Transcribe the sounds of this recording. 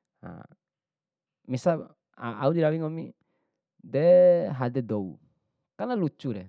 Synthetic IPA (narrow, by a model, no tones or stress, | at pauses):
ha̰ | misa | aaudiɾawiŋomḭ | deɦadedoṵ | kanalut͡ʃuɾe